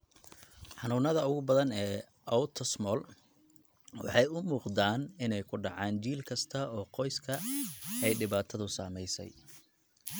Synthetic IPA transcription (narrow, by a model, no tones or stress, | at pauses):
ħɑnuːnɐðɐʊɣʊbɐðɐnɛː | ʔɐwt̪ʰɔsmɔːl | wɑ̰ħɑjʊmuːqd̪aːnɪnɛjkʰʊɖɑʕɑːnt͡ʃiːlkʰɐst̪ʰɐɔːqɔjskʰɐɛjɖɪβaːt̪ʰɐðʊsaːmɛjsɛ̰j